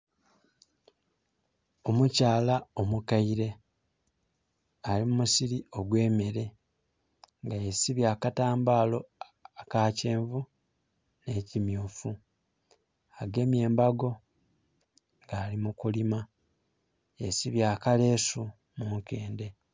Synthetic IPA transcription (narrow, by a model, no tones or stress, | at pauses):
o̞mucaːlao̞mukaiɾe̞ | alimumusiɾio̞ɡwe̞ːmeɾe̞ | ŋɡajesiβjaːkataːmbaːlo̞ | akaːce̞ːɱvu | ne̞ːcimjuːfu | aɡe̞ːmje̞ːmbaɡo̞ | ŋɡaːlimukulima | jesiβjaːkale̞ːsu | muŋke̞ːnde̞